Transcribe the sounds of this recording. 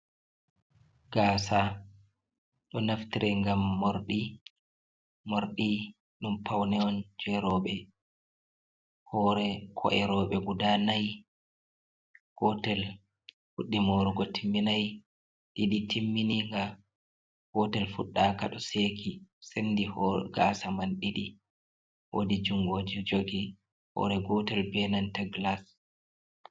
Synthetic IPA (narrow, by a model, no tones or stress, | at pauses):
ɡ̥aːsa | ɗɔnaftiɾʔɛŋɡamːoɾɗi | moɾɗi | ɗumpʰawnɛɔnd͡ʒɛɾɔɓɛ | hɔːɾɛkʰɔ̰ʔɛɾɔːɓɛɡudanaj | kɔtɛl | huɗːimoɾuɡɔtʰimːinaj | ɗiɗitʰimːiniŋɡa | hɔtɛlfuɗːaːkaɗɔseːkisendihɔɡasamanɗiɗi | wo̰did͡ʒuŋɡod͡ʒid͡ʒoɡi | hɔ̰ɾɛɡɔtɛlbɛnantaɡlas